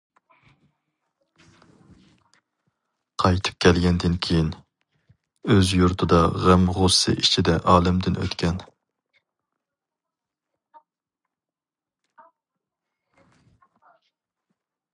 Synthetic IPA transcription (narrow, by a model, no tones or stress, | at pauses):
qʰɑjt̪ʰɨ̥p̚kʲʰɛlɡʲɛnd̪ɪnkʲʰejin | øzjuɾt̪ʰɨd̪ɑʁæmʁosɨ̰ʔit͡ʃʰid̪ɛʔɑːlˠɪmd̪ɪnʔø̰t̪kʲʰɛn